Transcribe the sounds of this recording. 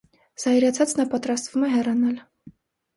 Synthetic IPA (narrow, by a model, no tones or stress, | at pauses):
z̥ɑjɾɑt͡sʰɑt͡snɑpɑt̪ɾɑst̪v̥umɛɦɛrɑnɑl